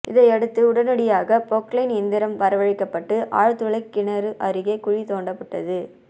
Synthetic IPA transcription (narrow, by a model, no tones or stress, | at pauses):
ʔɪ̰ðɐɪɛɽɯt̪ːɯʊɽɐnɐɽɪjaːɣɐpoklɐɪnɛnd̪ɪɾɐmʋɐɾɐʋɐɻɪkːɐpːɐʈːɯʔaːɻt̪ːɯɭɐɪkːɪɳɐɾɯʔɐɾɯɣɐɪkʊɻit̪oːɳɖɐpːɐʈːɐðɯ